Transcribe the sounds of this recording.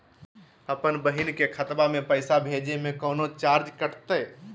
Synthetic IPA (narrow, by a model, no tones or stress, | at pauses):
əpənbəɦinkekʰət̪bamẽpəɪsabʱeːd͡ʒemẽkɔːnot͡ʃaːɾd͡ʒkəɾt̪ə